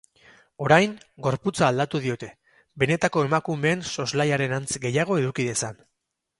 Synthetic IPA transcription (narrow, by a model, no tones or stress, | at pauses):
o̞ɾajŋɡo̞ɾput͡saːld̪at̪uðio̞t̪e̞ | be̞ne̞t̪ako̞e̞makume̞ːnso̞zlajaɾe̞nant͡sɡe̞jaɣ̞o̞e̞ðukiðe̞san